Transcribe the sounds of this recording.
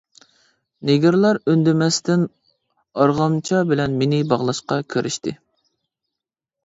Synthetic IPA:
neɡʲiɾlˠɑɾønd̪ɪmɛst̪ɪn | ɑɾʁɑmt͡ʃʰɑbɪlɛnmenɪbɑʁlˠɑʃqɑkʲʰøɾʔɪʃt̪ʰɪ̰

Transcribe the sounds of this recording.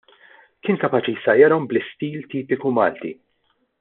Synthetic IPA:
kɪːnkɐpɐːt͡ʃijsɐjɐɾɔmblɪst̪iːlt̪iːpɪkumɐ̰ːlt̪ḭ

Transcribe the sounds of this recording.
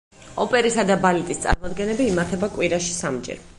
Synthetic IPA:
ɔpʼɛɾisad̪abalit̪ʼist̪sʼa̰ɾmɔd̪ɡɛnɛbiːmaɾt̪ʰɛbakʼwiɾaʃi̥samd͡ʒɛ̰ɾ

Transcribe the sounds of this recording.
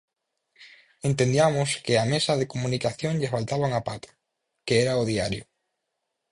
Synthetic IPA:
ent̪ẽnd̪iamʊskɪamesɐðekomũnikaθjõŋʎɪfalt̪aβauŋapat̪ḁ | keɛɾaoðiaɾjʊ

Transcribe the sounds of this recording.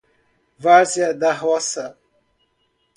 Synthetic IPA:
vazjɐd̪ɐɦɔsɐ

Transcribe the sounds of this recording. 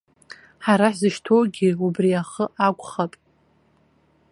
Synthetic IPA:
ħaɾaħzɨʃtʰowɡʲiubriaχəʔakʷʼχapʼ

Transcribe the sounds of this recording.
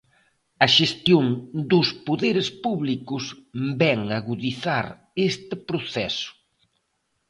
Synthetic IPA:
ɐʃest̪joŋd̪ʊspoðeɾɪspuβlikʊsbɛŋaɣuðiθaɾ | est̪ɪpɾoθɛsʊ̥

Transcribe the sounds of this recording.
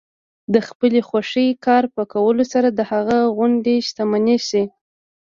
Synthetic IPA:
d̪əxpəlexwaʂəjkɑɾpəkawəlosaɾad̪əhaɣaɣʊɳɖeʃt̪amanisi

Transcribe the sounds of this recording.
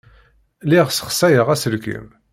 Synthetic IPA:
liʁsə̥χsæjəʁæsəlkə̰m

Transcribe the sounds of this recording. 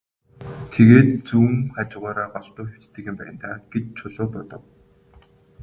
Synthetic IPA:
t̪ʰeɣeːt̪̚t͡sumχat͡ɕɪ̆ʁaːɾaːɢɔɮt̪ʊːxe̥t͡ɕt̪ʰɘ̆xĭmpæ̰jɪ̆nt̪ʰaːɡ̥et͡ɕt͡ɕʰʊɮʊːpɔt̪ɞ̆w

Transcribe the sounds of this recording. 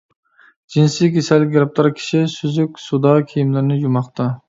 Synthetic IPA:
d͡ʒinsikʲesɛlɪɡʲɾɑp̚t̪ʰɑɾkʲʰi̥ʃisyzykʲsud̪ɑkʲʰijimlɪɾnɪjumɑχt̪ɑ

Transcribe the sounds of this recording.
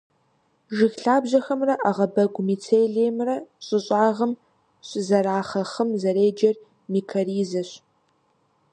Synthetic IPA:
ʒɪxɬaːbʑɐxɐmrɐʔaʁɐbɐɡʷʼmiːt͡sʰeːɮeːmrɐɕʼɪɕʼaːʁəm | ɕʼɪzɐraːχɐχəmzɐɾeːd͡ʒɐr | miːkʰɐɾiːzɐɕ

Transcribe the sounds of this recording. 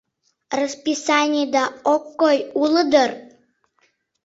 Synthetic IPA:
rəspisɑnʲijd̪ɑokːojuləd̪ər

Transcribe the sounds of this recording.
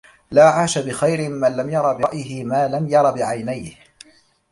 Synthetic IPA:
laːʕaːʃabɪxajɾɪmanlamjɑɾˤɑbɪʔjɪhɪmaːlamjɑɾˤɑbɪʕajnajh

